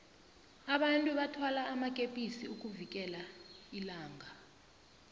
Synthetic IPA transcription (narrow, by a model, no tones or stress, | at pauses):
aɓantʼuɓatʰwalaːmakʼepʼisiuk̬ʼuvik̬ʼɛlailaːŋʱa